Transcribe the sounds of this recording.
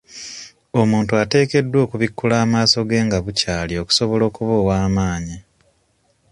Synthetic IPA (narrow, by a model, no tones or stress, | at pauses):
o̞muːntuate̞ːke̞dːwo̞ːkuβikːulaːmaːso̞ɡe̞ːŋɡaβucaːlio̞ku̥so̞βo̞lo̞ːkuβoːwaːmaːɲi